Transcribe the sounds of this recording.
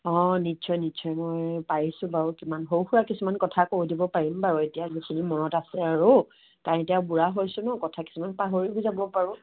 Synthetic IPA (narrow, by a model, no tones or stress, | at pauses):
ɔ̃nitsɔjnitsʰɔjmɔjpaɹisʊ̃baɹukimanɦowxuɹakisumankɔtʰakoɹdibɔpaɹimbaɹʊetijazikʰinimɔnɔtasɛaɹu | kaɹetɛabuɹaɦojsʊnɔkɔtʰaki̥sumanpaɦoɹibɔzabɔpaɹʊ̃